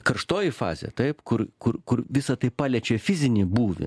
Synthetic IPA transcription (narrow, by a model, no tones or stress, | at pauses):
kɐrʃt̪oːjifɑ̰ːzʲḛt̪ɐɪpkʊɾkʊrkʊrʋʲɪsɐt̪ɐɪpɑːlʲɛt͡ʃʲeːfʲɪzʲɪnʲɪbuːʋʲɪ̰